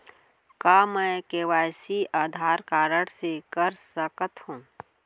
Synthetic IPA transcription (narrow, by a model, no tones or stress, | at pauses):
kaːmɛ̃keːʋaːsiʔaːd̪ʱaːɾkaːɾəɽsekəɾsəkət̪hũː